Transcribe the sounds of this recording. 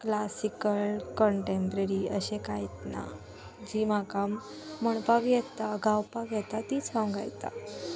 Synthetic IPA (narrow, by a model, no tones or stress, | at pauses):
klasikəlkɔɳʈempɾəɾiəɕekajt̪na̰ | d͡ʑimakamː | əɳpakjɛt̪aɡawpakjɛt̪at̪it͡sʰãwɡa̰jt̪a̰